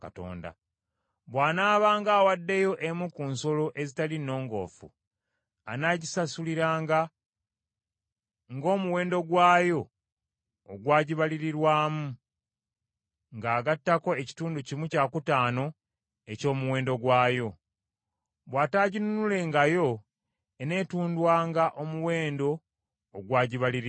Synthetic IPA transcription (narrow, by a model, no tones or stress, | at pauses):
ka̰to̰ːnda̰ | βwaːnaːβaːŋɡaːwadːe̞jo̞ʔemukuːnso̞lo̞ʔe̞zitalino̞ːŋɡo̞̰ːfṵ | anaɟisasuliɾaːŋɡa | ŋɡo̞ːmuwe̞ːndo̞ɡwaːjo̞ː | ɡwaːɟiβaliɾiɾwaːmu | ŋɡaːɡatːako̞e̞ci̥tuːnducimucaːkutaːno̞ | e̞co̞ːmuwe̞ːndo̞ɡwaːjo̞ | βwaːtaːɟinunule̞ŋɡajo̞ | ene̞tuːndwaːŋɡaʔo̞muwe̞ːndo̞ː | ɡwaːɟiβaliɾi